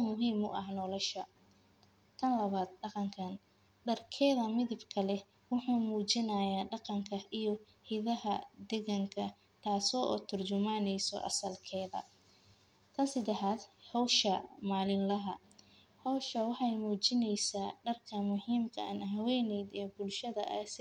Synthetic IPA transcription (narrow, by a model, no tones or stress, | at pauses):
mʊɦiːmʊ̰ʔɐhnɔːlɔʃɐ | t̪ʰɐnlɐβaːd̪̚ɖɑqɑŋkʰɐn | ɖɐrkʰɛːðɐmɪðɪbkʰɐlɛ | wʊħuːmuːt͡ʃɪnaːjaːɖɑqɑŋkʰɐijɔ | hɪðɐɦɐd̪ɛɣɐŋkʰɐ | t̪ʰaːsɔːʔɔ̰ːt̪ʰʊrt͡ʃʊmaːnɛjsɔ̰ʔɐ̰sɐlkʰɛːðɐ̰ | k̪ʰɐnsɐd̪ɛħaːd̪hɔwʃɐmaːlɪnlɐɦɐ | hɔwʃɐwɑħɑjmuːt͡ʃɪnɛjsaːɖɐrkʰɐmʊhiːmkʰɐ̰a̰nɦɐwɛːnɛjd̪ɛːbʊlʃɐðɐ̰ʔɐs